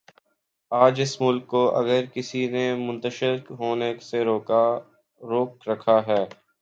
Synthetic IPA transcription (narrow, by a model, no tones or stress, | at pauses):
aːd͡ʒɪsmʊlkːoʔɐ̰ɡəɾkɪsinemʊ̃nt̪əʃɪɾkɦoːneseɾoːka | ɾoːk̚ɾɐkʰaɦɛː